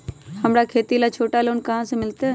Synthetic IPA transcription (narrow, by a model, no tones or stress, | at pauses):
həmɾakʰeːt̪ilat͡ʃʰoːʈaloːnkəɦãsẽmɪlt̪e